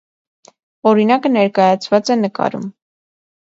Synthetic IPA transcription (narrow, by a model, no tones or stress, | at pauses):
ɔɾinɑkənɛɾkɑjɑt͡sʰvɑt͡sɛnəkɑ̰ɾṵm